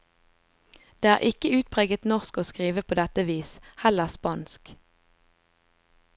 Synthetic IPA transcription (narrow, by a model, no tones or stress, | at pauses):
d̪̥eːæːʁʔɪkəʉːt̪̚pʰʁeːɡət̪nɔʁskoːskʁiːʋəpʰoːd̪ɛt̪əʋiːshɛləʁspɑːnsk